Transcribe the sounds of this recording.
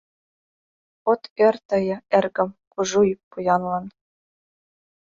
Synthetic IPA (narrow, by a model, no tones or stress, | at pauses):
ot̪ĕrʲt̪ɤ̆jɤ̆erɡɘ̆mkuʒujpːujɑnlɑn